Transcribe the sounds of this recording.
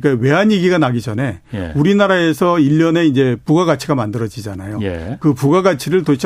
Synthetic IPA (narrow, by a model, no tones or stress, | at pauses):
k͈awe̞ɦanjeɡiɡanaɡid͡ʑʌne̞j̰uɾinaɾae̞sʰʌiʎːʌne̞ind͡ʑe̞puɡaɡat͡ɕʰiɡamandɯɾʌd͡ʑid͡ʑanajojkɯpuɡaɡat͡ɕʰiɾɯɭtoɕʰ